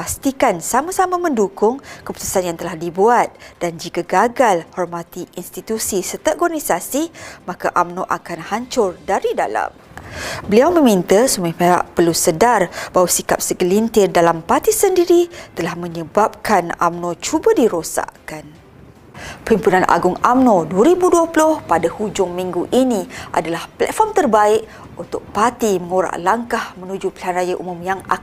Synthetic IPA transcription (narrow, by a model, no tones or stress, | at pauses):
past̪ikansamãsamãmə̃ndukʊŋkəpu̥t̪u̥sanjaŋt̪əlahdibuat̪̚d̥and͡ʒikaɡaɡalhɔrmãt̪iinst̪it̪usisət̪əʔɡɔnisasimãkaʔamnoʔakanhaɲt͡ʃʊrdaɾida̰la̰m | bəliawmə̃mĩnt̪əsumpeɦa̰ʔpərlusədarbaɦwasika̰p̚səɡəlint̪ɪrdalampat̪isəndiɾit̪əlahmə̃ɲəbap̚kana̰mnõt͡ʃubədiɾosa̰ʔkan | pəhimpunãnʔa̰ɡʊŋa̰mnoduəɾibuduəplʊhpadahud͡ʒʊŋmĩŋɡuʔinĩʔa̰dalahplɛ̰tfɔmt̪ərbaɪʔ | unt̪ʊk̚pat̪iməŋuɾa̰ʔlaŋkahmə̃nud͡ʒupilanrajaʔṵmʊ̃mjaŋa